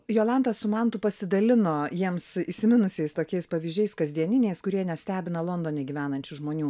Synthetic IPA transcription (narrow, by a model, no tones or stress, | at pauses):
joːlˠɑnt̪ɐssʊmɐnt̪ʊpɐsʲɪd̪ɐlʲɪnoːjiɛmsisʲɪmʲɪnʊsʲɛɪst̪oːkʲɛɪspɐʋʲiʒʲd͡ʒʲɛɪskɐzʲd̪ʲiɛnʲɪnʲeɪskʊɾʲiɛnʲɛsʲt̪ʲæːbʲɪnɐlˠoːnd̪oːnʲɛɡʲiːʋʲæːnɐnʲt͡ʃʲʊʒmoːnʲuː